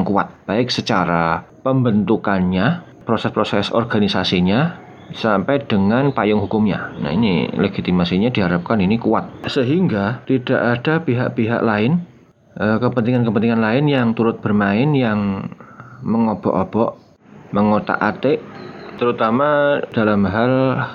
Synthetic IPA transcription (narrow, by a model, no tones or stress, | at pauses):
ŋkua̰t̪̚b̥aɪk̚sət͡ʃaɾa | pəmbənt̪ukanɲa | pɾosɛspɾosɛsɔ̰rɡ̥anisasiɲa | sampɛjd̥əŋanpajʊŋɦukʊmɲa̰na̰ḭnḭleɡ̥it̪imasiɲadiɦaɾap̚kaninikua̰t̪̚səɦiŋɡat̪id̥a̰ʔad̥apiɦa̰ʔpiɦa̰ʔlaɪn | ʔəkəpənt̪iŋankəpənt̪iŋanlaɪnjaŋt̪uɾʊt̪̚b̥ərmaɪnjaŋ | məŋob̥ɔ̰ʔob̥ɔʔ | məŋot̪a̰ʔat̪ɪʔt̪əɾut̪amad̥alamɦal